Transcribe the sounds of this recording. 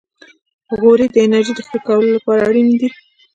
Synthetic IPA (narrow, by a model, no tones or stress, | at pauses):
ɣoɾid̪əɪnaɾʒid̪əxəkawəlolapɑɾaːɽind̪i